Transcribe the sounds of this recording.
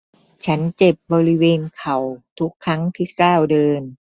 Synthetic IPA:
t͡ɕʰa˦˥nt͡ɕe˨˩p̚bɔː˧ɾi˦˥weː˧nkʰa˨˩wt̪ʰu˦˥kʰːa˦˥ŋt̪ʰiː˥˩kaː˥˩wdɤː˧n

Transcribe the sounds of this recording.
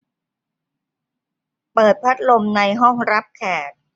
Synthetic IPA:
pɤː˨˩t̪̚pʰa˦˥t̪̚lo˧mna˧jɦɔ˥˩ŋɾa˦˥p̚kʰɛː˨˩t̪̚

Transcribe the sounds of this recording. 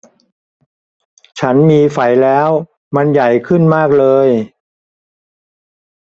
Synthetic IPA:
t͡ɕʰa˦˥nmiː˧fa˨˩jlɛː˦˥w | ma˧nja˨˩jkʰɯ˥˩nmaː˥˩k̚lɤː˧j

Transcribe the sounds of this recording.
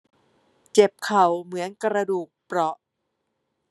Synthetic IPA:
t͡ɕe˨˩p̚kʰa˨˩wmɯ˩˦ənkɾa˧duː˨˩k̚pɾɔ˦˥ʔ

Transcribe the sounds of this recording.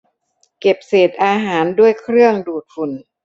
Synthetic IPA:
ke˨˩p̚seː˨˩t̪̚ʔaː˧ɦaː˩˦ndu˥˩əjkʰɾɯ˥˩əŋduː˨˩t̪̚fu˨˩n

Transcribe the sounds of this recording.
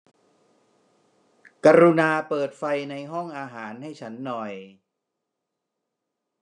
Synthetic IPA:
ka˧ɾu˧naː˧pɤː˨˩t̪̚fa˧jna˧jɦɔ˥˩ŋʔaː˧ɦaː˩˦nɦa˥˩jt͡ɕʰa˦˥nːɔ˨˩j

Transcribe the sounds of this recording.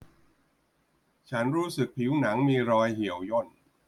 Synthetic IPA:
t͡ɕʰa˦˥nɾuː˦˥sɯ˨˩k̚pʰi˩˦wna˩˦ŋmiː˧ɾɔː˧jhi˩˦əwjo˥˩n

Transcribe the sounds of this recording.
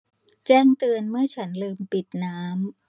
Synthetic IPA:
t͡ɕɛː˥˩ŋt̪ɯ˧ənmɯ˥˩ɐt͡ɕʰa˦˥nlɯː˧mpi˨˩t̪̚naː˦˥m

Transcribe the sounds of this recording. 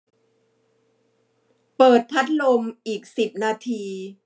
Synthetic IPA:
pɤː˨˩t̪̚pʰa˦˥t̪̚lo˧mʔiː˨˩k̚si˨˩p̚naː˧t̪ʰiː˧

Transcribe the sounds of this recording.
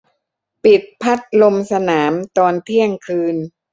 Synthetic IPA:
pi˨˩t̪̚pʰa˦˥t̪̚lo˧msa˧naː˩˦mt̪ɔː˧nt̪ʰi˥˩əŋkʰɯː˧n

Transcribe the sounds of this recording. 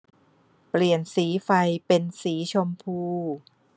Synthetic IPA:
pli˨˩ənsiː˩˦fa˧jpe˧nsiː˩˦t͡ɕʰo˧mpʰuː˧

